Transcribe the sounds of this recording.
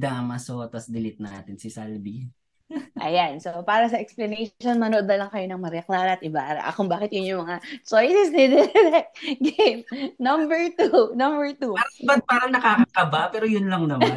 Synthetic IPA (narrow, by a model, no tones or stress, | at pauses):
d̪aʔmɐsot̪ɐsd̪ɪlɪt̪̚na̰ːt̪ɪnsɪsalbi | ʔɐ̰jansopaːɾɐsɐʔɛksplɐnɛjʃʃonmɐnoʔod̪nɐlɐŋkɐjo̞nɐŋmɐɾɛklaːɾɐɐt̪ʔɪbaʔɾ̰ʔɐ̰kʊŋbaːkɪt̪jʊnjʊŋmɐŋat͡ʃojsɛsnɪd̪ɛɾɛkɡejmnɐmbɛɹt̪unɐmbɛɹt̪uaɾbat̪̚paːɾɐŋnɐkaːkɐkɐbapɛːɾojʊnlɐŋnɐma